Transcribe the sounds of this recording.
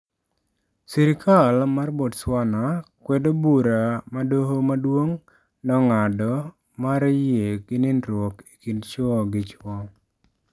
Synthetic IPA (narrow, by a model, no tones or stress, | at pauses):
siɾɪkʰalmarbodswanakwɛdobuɾamadoɦomadwoŋ | nɔŋadɔ | maɾjekɪnɪnɾwoki̥kint͡ʃɔɡɪt͡ʃwɔ